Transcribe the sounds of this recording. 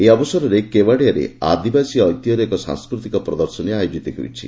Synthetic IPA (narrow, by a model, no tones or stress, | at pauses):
eɔbɔsɔɾɔɾekebaɽijaɾḛa̰d̪ibasiɔjt̪jɔɾeekɔsa̰ŋskɾut̪ikɔpɾɔd̪ɔɾsɔneajod͡ʒit̪ɔɦḛwt͡ʃʰḭ